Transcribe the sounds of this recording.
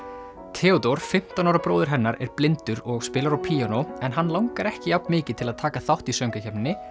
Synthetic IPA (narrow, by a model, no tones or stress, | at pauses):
t̪ʰɛːɔt̪oɾ̥fɪm̥t̪anawɾapɾoːwðɪɾ̥ɦɛnːaɾɛɾ̥plɪnt̪ʏɾɔɣspɪːlaɾawpʰiːanoɛnɦanːlawŋkaɾɛhcɪjawpmɪːcɪ̥t̪ʰɪlaðt̪ʰaːkaθawht̪isœŋkacɛpnɪnːɪ